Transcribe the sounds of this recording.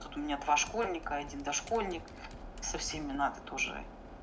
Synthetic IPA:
t̪ut̪ʊmʲɪnʲad̪vaʂkolʲnʲɪkəɐdʲind̪ɐʂko̞lʲnʲɪk | sɐfsʲemʲɪnat̪ɨ̥t̪o̞ʐɨ̰

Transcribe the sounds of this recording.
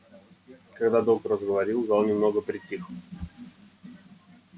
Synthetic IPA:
kaɡd̪ad̪ot̪əɾəzɡəvɐɾʲilˠzalˠnʲɪmno̞ɡəpɾʲɪtʲːix

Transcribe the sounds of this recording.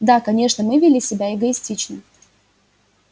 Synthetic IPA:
d̪akɐnʲe̞ʂnəmɨvʲɪlʲisʲɪbʲaɪɡəɪsʲtʲit͡ɕnə

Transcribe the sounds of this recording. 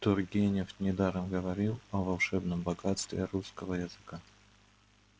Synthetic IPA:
t̪ʊrɡʲenʲɪfnʲɪd̪aɾəmɡəvɐɾʲilˠɐvɐlˠʂɛbnəmbɐɡat̪st̪vʲɪɾuskəvəjɪzɨka

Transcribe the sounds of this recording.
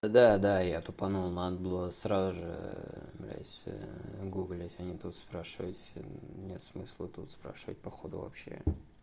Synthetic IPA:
d̪ad̪ajat̪ʊpanulnanəbɨlˠəsɾazʊʐɨ̰mlʲa̰sʲ | ɡuɡlʲɪtʲɐnʲit̪ut̪spɾaʂɨvətʲnʲet̪smɨslˠət̪ut̪spɾa̰ʂɨvətʲpɐxod̪ʊvɐ̰pɕːḛ

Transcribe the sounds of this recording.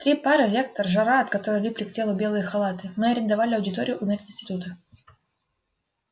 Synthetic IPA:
t̪ɾʲipaɾɨlʲe̞k̚t̪əɾʐɐɾaɐt̪kɐt̪oɾɨjlʲipɾʲɪk̚tʲe̞lˠʊbʲe̞lˠɨjəxɐlˠat̪ɨmɨɐɾʲɪnd̪ɐvalʲɪɐwdʲɪt̪oɾʲɪjʊʔʊmʲet̪ʲɪnsʲtʲɪ̥t̪ut̪ə

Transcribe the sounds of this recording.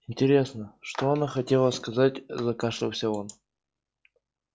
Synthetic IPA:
ɪnʲtʲɪɾʲe̞snəʂt̪oɐnaxɐtʲe̞lˠəskɐzatʲzɐkaʂlɨwsʲaon

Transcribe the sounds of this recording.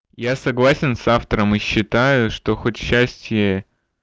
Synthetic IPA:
jasɐɡlˠasʲɪnsaft̪əɾəmɨɕːɪt̪ajʊʂt̪o̞xotʲɕːæsʲtʲjə

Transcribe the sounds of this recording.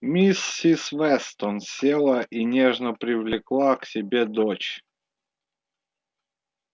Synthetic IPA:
mʲisːisvɛst̪ɔnsʲelˠəʔinʲeʐnəpɾʲɪvlʲɪklˠaksʲɪbʲed̪ot͡ɕ

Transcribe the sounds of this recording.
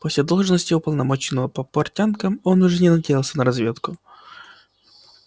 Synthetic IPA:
posʲlʲɪd̪o̞lˠʐnəsʲtʲɪʊpəlˠnɐmo̞t͡ɕɪnəvəpəpɐrtʲankəmonʊʐɛnʲɪnɐdʲejɪlˠsʲənəɾɐzvʲe̞t̪kʊ

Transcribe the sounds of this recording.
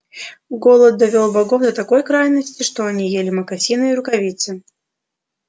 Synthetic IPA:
ɡolˠət̪̚d̪ɐvʲolˠbɐɡofd̪ət̪ɐkojkɾajnːəsʲtʲɪʂt̪oɐnʲijelʲɪməkɐsʲinɨːɾʊkɐvʲit̪sɨ

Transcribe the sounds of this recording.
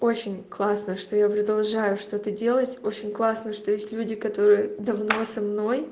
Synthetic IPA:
o̞t͡ɕɪnʲklˠasnəʂt̪o̞japɾəd̪ɐlˠʐajʊʂt̪o̞t̪ədʲe̞lˠətʲo̞t͡ɕɪnʲklˠasnəʂt̪ojesʲtʲlʲudʲɪkɐt̪o̞ɾɨjəd̪ɐvno̞sɐmno̞j

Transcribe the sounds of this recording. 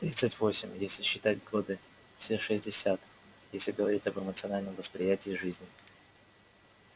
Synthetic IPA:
t̪ɾʲit̪sɨtʲvo̞sʲɪmʲjesʲlʲɪɕːɪt̪atʲɡo̞d̪ɨ | fsʲeʂɨzʲdʲɪsʲat̪ | jesʲlʲɪɡəvɐɾʲitʲəbɨmət̪sɨɐnalʲnəmvəspɾʲɪjætʲɪːʐɨzʲnʲɪ

